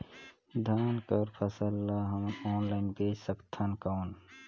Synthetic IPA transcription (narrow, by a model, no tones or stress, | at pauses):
d̪ʱaːnkəɾpʰɐsəlːaɦɐmnɔːnlaɪnbeːsəkt̪ʰankaːn